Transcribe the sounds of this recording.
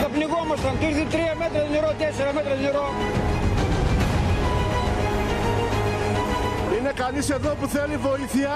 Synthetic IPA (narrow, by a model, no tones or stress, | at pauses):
k̪ɐpniɣomɐsɐnt̪iɾθit̪ɾiɐmɛt̪ɾɐðineɾot̪ɛseɾɐmɛt̪ɾɐðineɾo | inekaliseðopuθelivoiθia